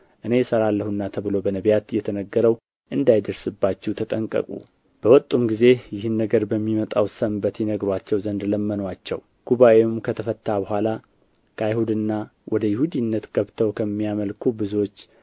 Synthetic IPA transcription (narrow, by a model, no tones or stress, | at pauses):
ʔɨne̞jɛsəɾalːəhunːat̪ʰəβɨlo̞bənəβjat̪jɛt̪ʰənəɡːəɾəw | ʔɨnd̪ajd̪əɾsɨbːat͡ʃːut̪ʰət̪ʼəŋkʼə̰kʼṵ | b̥əwɔt̪ʼːumɡize̞jɪhɨnːəɡəɾbəmːimət̪ʼawsəmbət̪jɛnəɡɾwat͡ʃːɛwzənd̪ləmːənwat͡ʃːɛ̰w | ɡ̥uβaʔe̞umkʰət̪ʰəfət̪ʰːabəɦʷala | kʰəajhud̪ɨnːawʔɔd̪əjɪhud̪inːət̪ɡ̥əβt̪ʰəwkʰəmːijaməlkʰubɨzuwot͡ʃː